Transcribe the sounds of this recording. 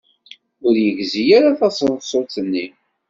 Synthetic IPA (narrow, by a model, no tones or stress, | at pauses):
ʊɾjəɡzijaɾaθɑsˤəðsˤot͡sənːi